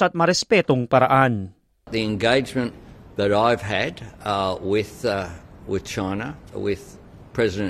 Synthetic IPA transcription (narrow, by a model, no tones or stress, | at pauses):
at̪̚mɐɾɛspɛt̪oŋpaɾaʔan̚ | ðiɨ̃nɡeɪd͡ʒmɨ̃nðəɾaɪv̥ɨdwɪð̥ | wɪð̥t͡ʃʰãɪ̃nəwɪð̥ | pʰɹ̥ɛzɨɾɨ̃